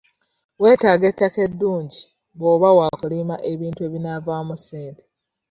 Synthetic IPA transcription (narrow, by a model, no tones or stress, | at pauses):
we̞ːtaːɡetːake̞dːuːɲɟi | βoːβawaːkulimaʔeβiːntue̞ːβinavaːmuseːnde